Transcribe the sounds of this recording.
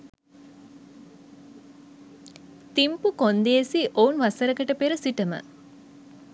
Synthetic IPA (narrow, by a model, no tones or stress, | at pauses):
t̪impukond̪eːsiʔounʋɐsɐɾɐkɐʈəpeɾɐsiʈɐmə̰